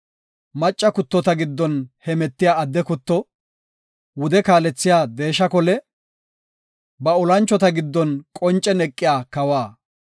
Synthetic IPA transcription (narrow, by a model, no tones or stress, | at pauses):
mɐt͡ʃʼːɐkʊt̪ːɔt̪ɐɡɪd̪ːɔnhɛmɛt̪ːɪjaːɐd̪ːɛkʊt̪ːɔ | wʊd̪ɛkaːlɛt͡sːɪjaːd̪e̞ːʃɐkɔlɛ | bɐɔlɐnt͡ʃːɔt̪ɐɡɪd̪ːɔnkʼɔnt͡ʃʼːɛnɛkʼːɪjaːkɐwaː